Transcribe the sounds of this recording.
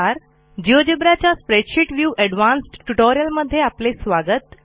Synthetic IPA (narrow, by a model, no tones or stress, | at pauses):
aɾ | d͡ʑiʋəd͡ʑibɾjat͡ɕjaspɾeʈɕiʈʋjuːʔɛɖʋansʈʈuʈoɾijəlməd̪ʱːjeaplesʋaɡət̪